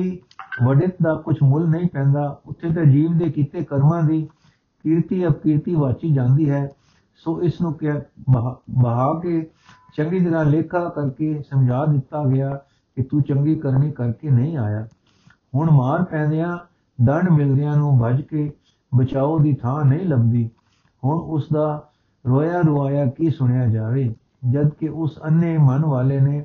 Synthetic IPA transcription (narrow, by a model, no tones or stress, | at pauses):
iː | ʋəɖɪt̪d̪aːkʊt͡ʃʰmʊlnəĩːpɛ̃ːnd̪aːʊt̪ʰːeːt̪̬aːd͡ʒiːʋd̪eːkiːt̪eːkəɾmãːd̪iː | kɪɾt̪iːəbkɪːɾt̪iːʋaːt͡ʃiːd͡ʒãːnd̪iːɦɛː | soːʔɪsnũːk | bəɦaːkeː | t͡ʃəŋɡiːt̪əɾãːleːkʰaːkəɾkeːsəmd͡ʒʱaːd̪ɪt̪ːaːɡəjaː | kɪt̪uːt͡ʃəŋɡiːkəɾniːkəɾkeːnəĩːaːjaː | hʊɳmaːɾpɛ̃ːnd̪ejãː | d̪əɳɖmɪld̪ɪjãːnũːbʱəd͡ʒkeː | bət͡ʃaːoːd̪iːt̪ʰãːnəĩːləbd̪iː | hʊɳʊsd̪aː | ɾoːjaːɾʊʋaːjaːkiːsʊɳ̃ejaːd͡ʒaːʋeː | d͡ʒəd̪kɪʔʊsənːeːmənʋaːleːneː